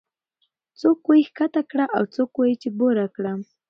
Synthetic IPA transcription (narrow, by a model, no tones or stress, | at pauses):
t͡sokʊjkat̪akɽaʔa̰wt͡sokojt͡ʃɪboɾakɽa